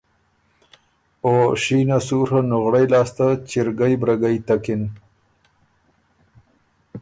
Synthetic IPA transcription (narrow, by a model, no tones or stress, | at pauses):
oɕinasuɾanʊɣɽajlɑːst̪at͡ɕɪɾɡajbɾaɡajt̪akɪn